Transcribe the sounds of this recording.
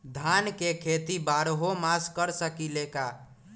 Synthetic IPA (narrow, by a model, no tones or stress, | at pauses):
d̪ʱankekʰet̪ibaɾɦomaskəɾsəkileka